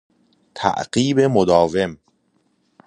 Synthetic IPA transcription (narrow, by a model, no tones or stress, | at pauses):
t̪ʰæ̰ʔɢiːbe̞mod̪ɒːve̞m